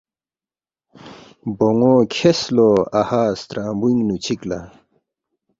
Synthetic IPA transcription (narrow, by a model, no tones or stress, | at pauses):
boŋokʰesloahaːst̪ɾaːmbuŋnut͡ɕʰikla̰